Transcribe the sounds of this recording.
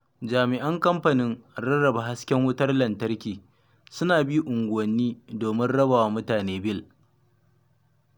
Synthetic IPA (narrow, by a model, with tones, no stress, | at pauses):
d͡ʒaː˨mɪ˨ʔɐ˦ŋkɐ˦mɸɐ˨nɪ˦ŋɽɐ˦ɽɐ˨ba˨ɦa˦skʲɛ˦ŋwʊ˦tɐ˦rlɐ˨ntɐ˦rkʲiː˨ | sʊ˦naː˨bi˦ʔʊ˨ŋɡʷʊ˨wɐ˨nːiː˦doː˨mɪ˦nɽɐ˦ba˨waː˦mʊ˦taː˨neː˦bɪ˦˨l